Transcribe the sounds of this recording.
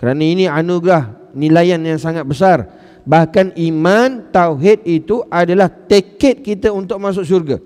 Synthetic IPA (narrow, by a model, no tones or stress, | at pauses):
kəɾanãinĩanuɡɾah | nĩlajanjaŋsaŋat̪̚bəs̬ar | bahkanimãnt̪awɦɪt̪̚it̪uʔadalaht̪ekɛt̪̚kit̪aunt̪ʊk̚mãs̬ʊksurɡa̰